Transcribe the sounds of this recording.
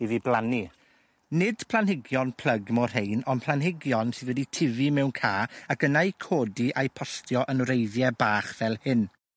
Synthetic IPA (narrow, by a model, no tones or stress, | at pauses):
iðiblˠani | nɪd̥pʰlˠanhɪɡjɔnpʰl̥ˠəɡmɔr̥hejnɔnpʰlˠanɦɪɡjɔnsɨðwɛditʰɪvimɛwnkʰaːakənajkʰoːdiʔajpʰɔstʰjɔʔənrejðjɛbaːχv̥ɛlˠhɨn